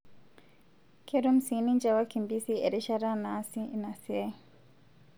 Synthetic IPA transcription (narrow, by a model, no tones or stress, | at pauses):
kɛɾum̩siniɲd͡ʒawakimbisiɛ̰ɾɛʃaɾanasinasiɛ